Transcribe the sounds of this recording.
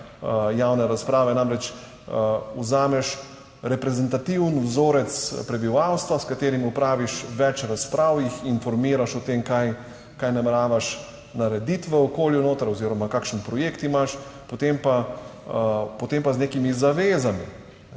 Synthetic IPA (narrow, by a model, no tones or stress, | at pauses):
jawnɛɾaspɾaːʋɛnamɾɛt͡ʃ | uzaːmɛʃ | ɾɛpɾɛzɛnt̪at̪iwnwzoːɾɛt̪spɾɛbiʋaːwst̪ʋaskat̪eːɾimupɾaːʋiʃʋɛt͡ʃɾaspɾʔaːwixinfɔɾmiːɾaʃɔt̪eːmkaj | kajnamɛɾaːʋaʃ | naɾɛd̪it̪ʋɛɔkoːljunoːt̪ɾɔziːɾɔmakaːkʃnpɾɔjeːkt̪imaʃpot̪empa | pɔt̪empazneːkimizaʋeːzami